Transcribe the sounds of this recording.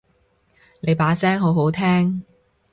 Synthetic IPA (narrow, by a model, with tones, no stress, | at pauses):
ne˨˧jpaː˨˥sɛː˥ŋɦo˨˥wɦo˨˥wt̪ʰɛː˥ŋ